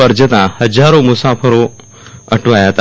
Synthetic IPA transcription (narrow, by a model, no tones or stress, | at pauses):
əɾd͡zət̪ahəd͡zaɾomusafəɾo | əʈʰʋajat̪a